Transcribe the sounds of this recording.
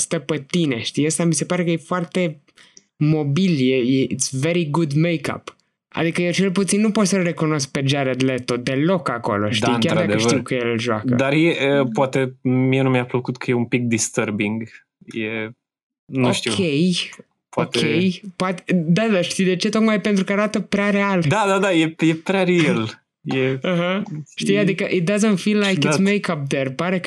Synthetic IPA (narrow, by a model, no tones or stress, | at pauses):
st̪əpət̪ine̞ʃt̪ijəst̪amise̞paɾekəjefoart̪e̞ | mo̞biljejeit̪sveɾiɡud̪mejka̰p | a̰d̪ikəjewt͡ʃelput̪sinːupo̞t̪səlre̞kuno̞sk̚pe̞d͡ʒaɾad̪let̪od̪e̞lo̞kako̞̰lo̞̰ʃt̪aijnʲkʲaɾd̪ad̪kəeʃiwkəjellʒoa̰kə̰d̪arjeʔəpoat̪emienumjapləkut̪kʰəjeumpik̚d̪ist̪əɾbiŋɡ | je | nuʃt̪ikʰʲej | paot̪kʲejpoat̪ed̪ad̪aʃt̪ijwd̪e̞t͡ʃe̞t̪o̞t̪majpent̪ɾukəaɾat̪əpɾeaɾeald̪ad̪ad̪ajejepɾʲaɾeel | jeaɦəʃt̪ijad̪ikəʔit̪̚d̪azənt̪filːajkissmejkap̚d̪erpaɾek